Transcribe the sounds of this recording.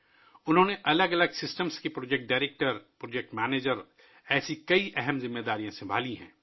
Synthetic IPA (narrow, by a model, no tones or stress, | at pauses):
ʊnɦõːneʔɐləɡɐləɡsɪsʈəmskipɾoːd͡ʒeːk̚ʈ̚ɖaːɾeːk̚ʈəɾpɾoːd͡ʒek̚ʈmɛːneːd͡ʒəɾ | ɛːsikɐiʔɛɦɛmzɪ̃mːeːd̪aːɾijãsɐ̃bʱa̰ːliɦɛ̰̃ː